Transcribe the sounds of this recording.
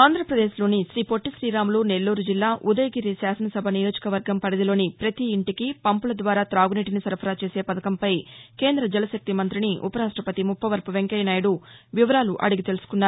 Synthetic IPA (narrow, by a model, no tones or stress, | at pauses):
aːnd̪ʱɾɐpɾɐd̪e̞ːʃlo̞ːniʃɾiːpo̞ʈːiʃɾiːɾaːmluːne̞lːuːɾud͡ʒilːaːʔud̪ɐjɡiɾisaːsɐnɐsɐbʱɐnijo̞ːd͡ʒɐ̥kɐʋɐɾɡɐmpɐɽid̪ilo̞ːnipɾɐt̪iːɳʈikipɐmpulɐd̪ʋaːɾaːt̪ɾaːɡuniːʈinisɐɾpʰɐɾaːt͡ʃe̞ːse̞ːpɐd̪ɐkɐmpɐjke̞ːnd̪ɾɐd͡ʒɛlɐsɐk̚t̪imɐnt̪ɾiniʔṵpɐɾaːʂʈɾɐpɐt̪imupʰːɐʋɐɾpɐʋeŋkɐjɐnaːjɐɽuʋiʋɐɾaːluʔɐ̰ɽuɡit̪elusu̥kunːaːɾu